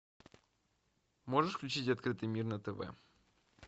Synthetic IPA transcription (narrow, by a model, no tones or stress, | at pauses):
mo̞ʐɨʂfklʲʉt͡ɕitʲɐt̪̚kɾɨt̪ɨjmʲirnət̪ɛvɛ̰